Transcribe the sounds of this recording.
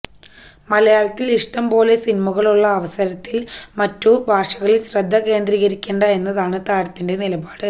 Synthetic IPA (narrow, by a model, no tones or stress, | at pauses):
mɐlɐjaːɭɐt̪ːiliʂʈɐmbo̞ːle̞sinimuɣɐɭuɭːɐːʋɐsɐɾɐt̪ːilmɐtːubʱaːʂɐɣɐɭilɕrɐd̪ʱːɐke̞ːnd̪riːɣɐɾikʲːeːɳɖɐe̞nːɐðaːɳɨt̪aːɽɐt̪ːinde̞nilɐbaːɽɨ